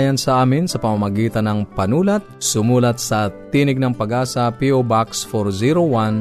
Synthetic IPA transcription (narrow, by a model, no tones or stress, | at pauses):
jɐnsɐʔaːmɪnsɐpɐmamɐɡiːt̪ɐnɐŋpɐnuːlɐt̪̚sʊmuːlɐt̪̚sɐt̪iːnɪɡ̚nɐŋpɐɡʔaːsɐpiobaksfoɾziɾowan